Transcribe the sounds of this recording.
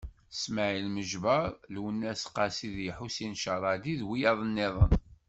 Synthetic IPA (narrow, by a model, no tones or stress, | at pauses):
sməʕilməʒvəɾˤlwənːæsqːɑsiðjħusinʃɑɾˤɑd̪iðwijɑðˤənːɪðˤə̰n